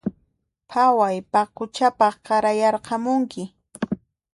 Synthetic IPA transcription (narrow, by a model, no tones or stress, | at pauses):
pʰawajpaqʊt͡ʃapɑχqɑɾajɑɾqɑmʊŋkɪ